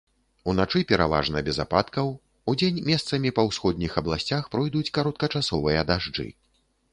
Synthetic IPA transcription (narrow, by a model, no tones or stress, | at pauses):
unat͡ʂɨpʲɛɾava̰ʐnɐbʲɛza̰pat̪kɐw | ud͡zʲenʲmʲɛst̪sɐmʲipɐwsxɔd̪̚ʲnʲixɐblˠasʲt͡sʲaxpɾɔjd̪ut͡sʲkaɾɔt̪̚kɐt͡ʂasɔvɨjɐd̪aʐd͡ʐɨ̰